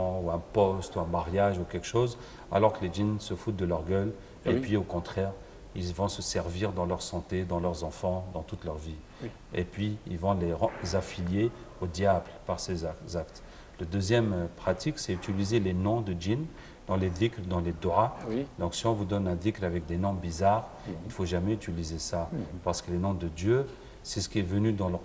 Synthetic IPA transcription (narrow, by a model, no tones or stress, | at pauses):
ɑ̃uɛ̃pɔst̪uɛ̃maʁjaʒukʲɛlkʃoz | a̰lɔʁkəleʒinsəfut̪̚d̪əlœʁɡœl | eppɥiokɔ̃t̪χɛʁ | ilvɔ̃səsɛʁviʁd̪ɑ̃lœʁsɑ̃t̪ed̪ɑ̃lœʁzɑ̃fɑ̃d̪ɑ̃t̪ut̪lœʁvi | ḛpɥiilvɔ̃lẽzafiljeod̪jablpaʁseazakt̪ | lad̪øzjɛmpχat̪iksɛyt̪ilizelenɔ̃d̪əd͡ʒin | d̪̥ɑ̃led̪ikld̪ɑ̃led̪ɔʁad̪ɔ̃ksiɔ̃vud̪ɔnɛ̃d̪iklavɛk̚d̪enɔ̃bizaʁ | ilfoʒamɛyt̪ilizesapaʁsə̥kəlenɔ̃d̪əd̪jø | sɛsə̥kʲiɛvənyd̪ɑ̃l